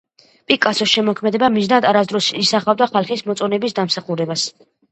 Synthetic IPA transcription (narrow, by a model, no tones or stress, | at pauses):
pʼikʼːasʰɔsʃɛmɔkʰmɛd̪ɛbamiznad̪aɾasd̪ɾɔsisaχavd̪aχalˠχismɔt̪sʼɔnɛbisd̪amsaχuɾɛbas